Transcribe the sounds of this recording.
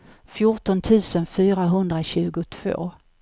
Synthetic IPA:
fjʊʈɔnt̪ʰʉ̟ːsənfyːɾaɦɵnd̪ɾaɕʉ̟ːɡʊt̪ʰv̥o̰ː

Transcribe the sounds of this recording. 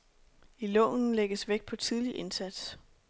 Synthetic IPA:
ilɔ̰ːnn̩leɡ̥əsʋeɡ̥̚pʰɒ̽t͡sʰið̞ˠliʔe̝nsæd̥s

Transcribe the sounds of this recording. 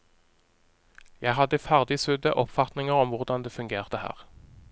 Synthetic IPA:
jæɪɦɑd̪əfæʁd̪ɪsʉd̪əʔɔpfɑt̪nɪŋəʁɔmʋʊʁd̪ɑnd̪eːfʉŋɡeːʁt̪əhæ̰ːʁ

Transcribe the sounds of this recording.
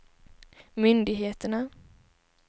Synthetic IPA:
mʏnd̪ɪɡɦeːt̪əɳa

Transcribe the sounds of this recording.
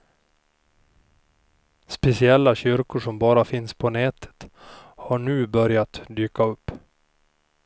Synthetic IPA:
spɛsɪɛlːaɕʏɾkʊʂɔmbɑːɾafɪnspʰɔnɛːt̪ʰə̥t̪haɳʉ̟ːbœɾjat̪d̪yːkaɵpː

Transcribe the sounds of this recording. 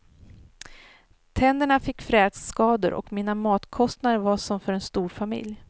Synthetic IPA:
t̪ʰɛnd̪əɳafɪkːfɾɛːd̪sːkɑːd̪ə̰ɾʔɔ̰kminamɑːt̪kʰɔst̪nad̪əɾvaʂɔmfœɾɛnst̪uːɾfamɪ̰lj

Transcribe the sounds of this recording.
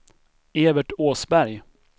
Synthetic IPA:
eːvəʈoːsbæɾj

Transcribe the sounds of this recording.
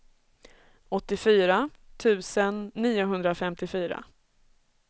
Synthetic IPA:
ɔt̪ːɪfyːɾat̪ʰʉ̟ːsənːiːʊɦɵnd̪ɾafɛmt̪ɪfyːɾa̰

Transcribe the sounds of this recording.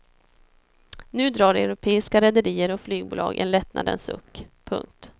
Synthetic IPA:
nʉ̟ːd̪ɾɑːɾɛʊɾʊpʰeːɪskaɾɛd̪əɾiːəɾɔflyːɡ̚buːlʔɑ̰ːɡʔɛ̰nlɛt̪nʔa̰d̪ə̰nsɵ̰kːpʰːɵ̰ŋk̚t̪

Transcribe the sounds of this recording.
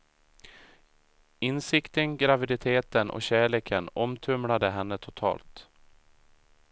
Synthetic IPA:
ɪnsɪkt̪ənɡɾavɪd̪ɪt̪ʰeːt̪ənʔɔ̰ɕæːɭeːkʰənɔmt̪ʰɵmlad̪əɦɛnːət̪ʰʊt̪ʰɑ̰ːlt̪

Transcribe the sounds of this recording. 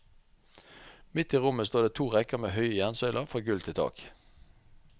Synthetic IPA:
mɪt̪iːʁʊməst̪oːdeːt̪ʰuːʁɛkəʁmeːhœʏəjænsœʏlʔəʁfʁɔːɡʉlt̪ʰɪlt̪ʰɑ̰ːk

